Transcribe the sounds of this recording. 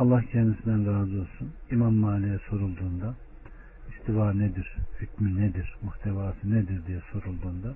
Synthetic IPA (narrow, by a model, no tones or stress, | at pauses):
alˠːahcʰɛnd̪isind̪ænɾaːzɯo̞lˠsunimamːaːlʲijɛso̞ɾulˠd̪uːnd̪a | ist̪ʰivaːned̪iɾ̥hycmined̪iɾ̥muht̪ʰevaːsɯned̪iɾd̪ijɛso̞ɾulˠd̪uːnd̪a